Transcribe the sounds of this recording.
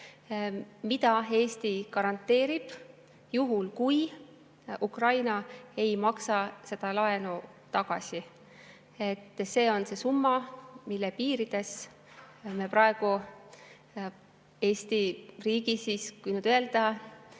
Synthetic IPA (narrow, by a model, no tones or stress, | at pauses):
mid̪̥ɑe̞ːst̪ikɑɾɑnt̪ːˑe̞ːɾib̥ | juɦulkuj | ukrɑjnɑe̞jmɑksɑse̞d̪̥ɑlɑenu | t̪ɑɡ̥ɑsʲi | e̞t̪ːse̞ːo̞nse̞sumːɑmilːepiːɾid̪̥e̞s | meprɑe̞ɡ̥u | e̞ːst̪iriːɡisiːskujnyd̪øe̞ld̪̥ɑ